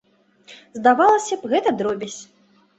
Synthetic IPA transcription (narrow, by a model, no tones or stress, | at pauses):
zd̪avalˠɐsʲɐpɣɛt̪ɐd̪ɾɔbʲisʲ